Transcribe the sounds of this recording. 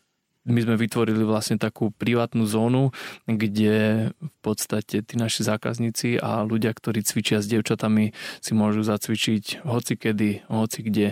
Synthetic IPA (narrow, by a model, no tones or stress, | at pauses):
mizmɛʋit̪ʋɔɾiliʋlasɲɛt̪akuːpɾiʋaːt̪nuːzɔːnuɡɟɛfpɔt̪st̪acɛt̪iːnaʃizaːka̰zɲiːt͡sia̰luɟɪakt̪ɔɾiːt͡sʋit͡ʃɪazɟɛʊt͡ʃat̪amisimʊɔʒuzat͡sʋit͡ʃicɦɔt͡sikɛd̪iɦɔt͡siɡɟɛ